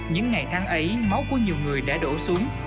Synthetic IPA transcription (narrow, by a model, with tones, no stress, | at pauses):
ɲɨ̰˧˥ŋːa˨˩jt̪ʰaː˨˦ŋʔə˨˦jma˨˦wku˧˩˦əɲi˨˩əwŋɨ˨˩əjɗa̰ː˧˥ɗo̰˧˩su˨˦əŋ